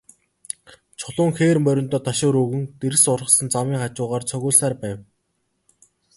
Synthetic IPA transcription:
t͡ɕʰʊɮʊːŋxeːrmœɾʲɪ̆nt̪ɔːt̪ʰaʃʊːɾuɣɘ̆ŋt̪eɾsʊrə̆sə̆nt͡samiːŋχat͡ɕʊːʁaːrt͡sʰœɣʲʊːɮsaːrpæːw

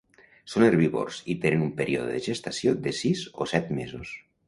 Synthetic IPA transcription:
soneɾβiβo̰ɾsit̪enenumpeɾʔio̰ðo̰ðeʒest̪asjod̪esizo̰sɛt̪mezos

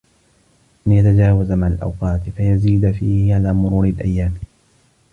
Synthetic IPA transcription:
ʔanjat̪ad͡ʒaːwazamaʕalʔa̰wqɑːt̪ɪfajaziːd̪fiːhɪʕalaːmʊɾuːɾɪlʔa̰jːaːm

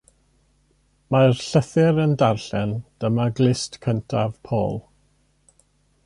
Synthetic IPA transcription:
marɬəθɪɾəndarɬɛnd̥əmaɡlˠɪstkʰəntʰav̥pʰo̰ːlˠ

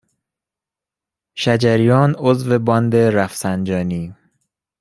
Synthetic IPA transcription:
ʃæd͡ʒæɾijɒːnozve̞bɒnd̪eɾæfsænd͡ʒɒːniː

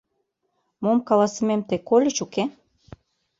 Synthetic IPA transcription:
momkɑlɑsəmemt̪ekolʲĕt͡ɕuke

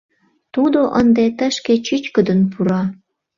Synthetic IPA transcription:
t̪ud̪oʔənd̪et̪ə̆ʃket͡ɕyt͡ɕkəd̪ənpuɾɑ

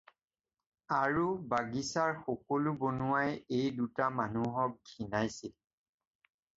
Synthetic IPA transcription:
aɹubaɡisaɹxɔkɔlubonuwajejdutamanuɦɔk̚ɡinajsɛ

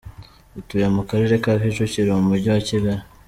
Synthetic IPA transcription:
utujemukaɾeɾekafiʃociɾomumuɾɟiwaciβaɾa

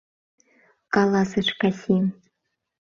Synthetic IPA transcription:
kʼalˠasɨʂkʰasʲim

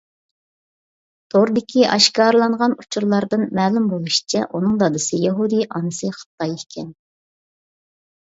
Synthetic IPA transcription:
d̪̥oɾd̪ɪkʲʰiʔɑʃkɑːɾlˠɑɴʁɑnut͡ʃʰuɾlˠɑɾd̪ɨnmɛːlumbolˠuʃi̥t͡ʃʰɛ̰ʔunɨŋd̪ɑd̪ɨsɨjɛɦud̪ijʔɑːnɨsɨχə̥t̪ːɑjekʲʰɛn

